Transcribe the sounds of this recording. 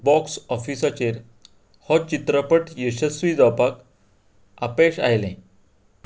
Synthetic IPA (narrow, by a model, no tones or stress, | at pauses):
bɔksɔfisat͡ɕeɾ | hɔt͡ɕit̪ɾəpəʈjəɕəsʋid͡zɔpak | a̰peɕa̰ɦjlɛ̰̃